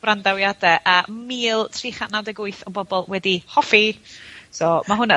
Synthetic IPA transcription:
randawjadɛʔəːmiːlˠtʰriːχanawdɛɡʊɨθɔbɔbɔlˠwɛdihɔfi | sɔmaɦʊnə

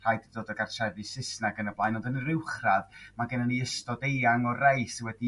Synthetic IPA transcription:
r̥ajdədoːdəɡartʰɛðɨsɪsnaɡənəblˠajnɔdənrɪwχraðmaɡɛnaniəstɔdejaŋɔrajswɛdi

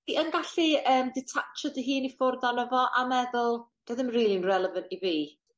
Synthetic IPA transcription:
diʔənɡaɬiəːmdɪtʰat͡ʃɔdəɦiːnifʊrðanɔvɔʔamɛðʊlˠd̥əðɪmriːlˠiɪnrɛlˠəvəntiviː

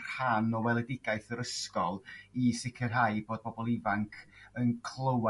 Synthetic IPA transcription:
rhanɔwɛlˠɛdɪɡaɨθəɾəskɔlˠisɪkʰɪrɦajboːd̚bɔbɔlˠɪvaŋkʰənkʰlˠəwa

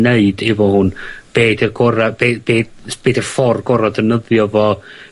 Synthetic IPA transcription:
neɨdɪvɔhʊnb̥eːdirɡɔɾabeːb̥eːdb̥eːdirfɔrɡɔɾadənəðjɔvɔ

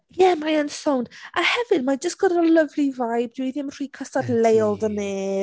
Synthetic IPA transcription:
jɛmajənsownd̥ahɛvɨd̚mad͡ʒəstɡ̥ɔdələvlivajb̚dwiðɪmr̥iːkʰəstadlejlˠdəmɛː

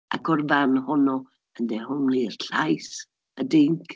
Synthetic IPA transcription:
ʔa̰kʰɔrvanhɔnɔ | əndɛhʊmliərɬajs | ədɪŋk

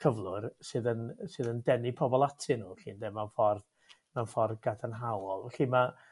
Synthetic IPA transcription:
kʰəvlˠʊrsɨðənsɨːðəndɛnɪpʰɔbɔlˠatʰɨnuːɬḭːndɛmanfɔrð | manfɔrðɡadanɦawɔlˠvɛɬiːma

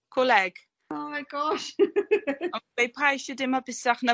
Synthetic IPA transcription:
kʰʊlɛɡ̥ | oːmajɡɔʃ | ɔbejpʰajʃɔdɪmɔbɪsaχnə

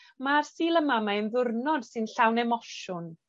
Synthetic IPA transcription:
marsiːlˠəmamaənðʊrnɔd̥sɨnɬawnɛmɔʃʊn

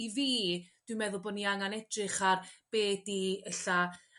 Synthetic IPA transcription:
iviːd̥wɪmɛðʊlˠboːdniaŋanɛd̥rɨχarb̥eːdiɛɬa

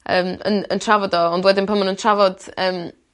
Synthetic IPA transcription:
əːmə̰nə̰ntʰravɔdɔːndwɛdɪnpʰəmənəntʰravɔd̥əːm

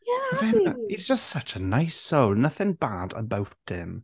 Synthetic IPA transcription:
vɛniz̥d͡ʒ̥əstsʌt͡ʃənajsːowlˠnəθɛnbaːdə̰bawtʰɪm

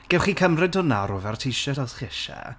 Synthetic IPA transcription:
ɡ̥ɛwχiːkʰəmrɪdʊnaɾʊvɛrtʰijʃɛdɔsχiɪʃɛ̰

